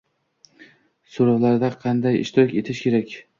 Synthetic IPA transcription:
soɾawlaɾd̪aqʰɑnd̪ajɪ̰ʃt̪ʰɒkʲe̞t̪ʰɪʃkʲʰe̞ɾakʲ

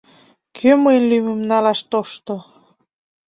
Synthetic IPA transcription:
kʰøməjnlymemnɑlɑʃt̪oʃt̪o

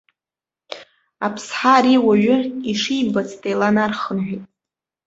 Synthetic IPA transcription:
apʰsħaɾiwaɥʏiʂijbat͡sʰtʰʼejlanarχənʕʷᶣitʼ

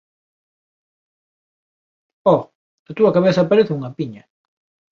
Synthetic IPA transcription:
ɔ | ɐt̪uɐkaβeθɐpaɾeθɪuŋɐpiɲɐ

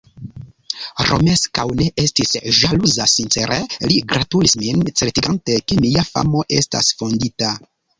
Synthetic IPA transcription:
ɾo̞̰me̞skawneʔestisʒaluzasint͡seɾeliɡɾatulismint͡seɾtiɡante̞kemijafa̰mo̞ʔe̞sta̰sfo̞ndita

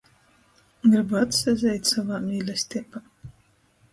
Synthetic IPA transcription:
ɡɾibuat̪sɛzʲɛjt̪ʲsavaːmʲiːlʲɛsʲt̪ʲipaː

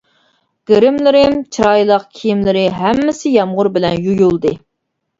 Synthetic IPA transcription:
ɡ̥eɾɪmlɪɾɪmt͡ʃʰiɾɑjlˠəq̚kʲʰijimlɪɾɪɦɛmːɪsɪjɑmʁʊɾbɪlɛnjujulˠd̪ɨ

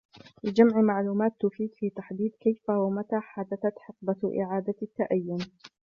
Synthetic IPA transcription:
lɪd͡ʒamʕmaʕluːmaːt̪ːʊfiːd̪fiːt̪aħd̪iːd̪kajfahamat̪aːħad̪aθat̪ħɪq̚baʔɪ̰ʕaːd̪at̪ːaʔajːʊn

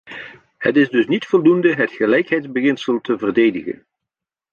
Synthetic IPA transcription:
hətɪzdɵsnitfɔlˠdundəɦətχəlɛjkɦɛjdzbəɣɪnsəlˠtəvərdeːjdə̰ɣə̰n

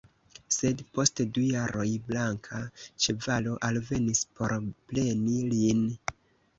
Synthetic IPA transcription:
se̞dpo̞stdujaɾo̞jblaŋkʰat͡ʃevalo̞ʔalve̞nispo̞ɾple̞nilin

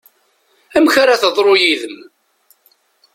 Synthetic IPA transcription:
æmçaɾaθəðˤɾˤojiðəm

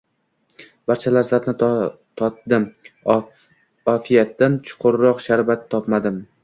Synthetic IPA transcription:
b̥aɾt͡ʃʰalaɾzapnɪ | t̪ʰɒt̪d̪ɪm | ɒfijat̪ːant͡ʃʰʊ̥qʰʊɾɾɒqʃaɾvat̪ʰːɒpmad̪ɪm

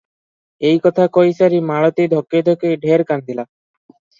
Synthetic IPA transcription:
ejkɔt̪ʰakojsaɾimaɭot̪ejd̪ʱokːed̪ʱokeɖʱeɾkand̪ʱila

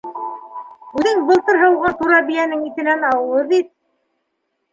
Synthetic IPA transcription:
ʉðɘŋbɤ̆lˠt̪ɤɾɦɤwʁɑt̪uɾɑbijænɘŋit̪ɘ̆nænɑwɤ̆lˠɤd̪it̪̚

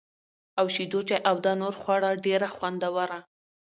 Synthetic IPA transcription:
awʃid̪ot͡ʃaʔawd̪ɑnoɾxwɑɽɑɖeɾaxwand̪awaɾa

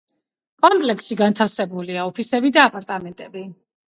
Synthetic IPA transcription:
kʼɔmpʼlɛksʃiɡant̪ʰafsɛbuliaɔpʰisɛbid̪aːpʼaɾt̪ʼamɛnt̪ʼɛbi

